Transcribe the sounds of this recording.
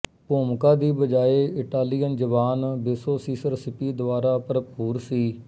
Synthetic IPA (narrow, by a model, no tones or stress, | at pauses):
poːmkãːd̪iːbəd͡ʒaːeːɪʈaːlijənd͡ʒəʋaːnbɪsoːsiːsəɾsɪpiːd̪ʊaːɾaːpəɾəpuːɾsiː